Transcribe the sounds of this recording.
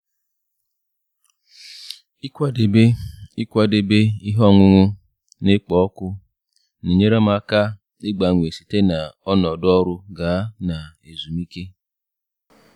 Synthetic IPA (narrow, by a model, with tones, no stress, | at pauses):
i˦kʷa˦de˨be˦i˦kʷa˦de˨be˦i˦ɦɔ˦˨ŋʷʊ˦ŋʷʊ˦ | nɪ˦k͡pɔ˨ɔ˦kʊ˦ | ni˨ɲe˦ɾa˦ma˦ka˦ | ɪ˦ɡ͡ba˨ŋʷ˨e˨si̥˨te˦na˨ɔ˦nɔ˨dɔ˦ɾʊ˦ɡa˨˦na˨e˨zu˨mi˦ke˦